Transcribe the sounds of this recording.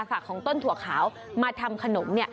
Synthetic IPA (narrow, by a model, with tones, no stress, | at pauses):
fa˨˩kʰːɔː˩˦ŋt̪o˥˩nt̪ʰu˩˦ɐkʰaː˩˦w | maː˧t̪ʰa˧mkʰa˧no˩˦mni˥˩ə